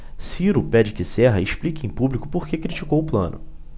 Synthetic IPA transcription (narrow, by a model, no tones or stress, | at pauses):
siɾʊpɛd͡ʒɪkɪsɛɦɐɪʃplikɪẽj̃publikʊ̥poɾkekɾit͡ʃikowʊplɐ̰̃nʊ̰